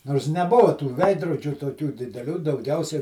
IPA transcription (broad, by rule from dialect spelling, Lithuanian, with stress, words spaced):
noːrs nʲɛˈbʊʋɐ tuː ˈʋʲɛɪdroːd͡ʒʲuː toːˈkʲuː dʲɪdʲɛˈlʲuː dɐʊˈɡʲɛʊsʲɛ